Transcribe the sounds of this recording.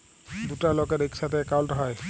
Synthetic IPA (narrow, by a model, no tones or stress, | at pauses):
dutaɹlɔɡɛdiksatɛːkawltɦɔj